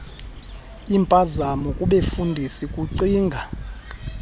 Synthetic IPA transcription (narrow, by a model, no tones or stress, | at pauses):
impʼazamɔkʼuɓefundʱisikʼuǀiːŋɡʱa